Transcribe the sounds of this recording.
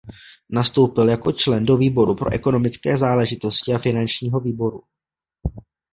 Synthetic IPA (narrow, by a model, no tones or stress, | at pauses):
nast̪o̞wpɪljako̞t͡ʃlɛndo̞viːbo̞ɾupɾo̞ʔɛko̞no̞mɪt͡skɛːzaːlɛʒɪt̪o̞scɪafɪnant͡ʃɲiːɦo̞viːbo̞ɾu